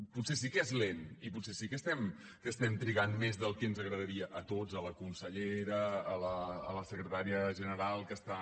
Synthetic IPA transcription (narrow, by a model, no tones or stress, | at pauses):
putsesikɛzleniputsesikəst̪ɛm | kəst̪ɛmt̪ɾiɣanmezðəlˠkɛnzəɣɾəðəɾiəʔət̪ozələkunsəʎeɾəːləːləsəkɾət̪aɾiəʒənəɾalˠkəst̪a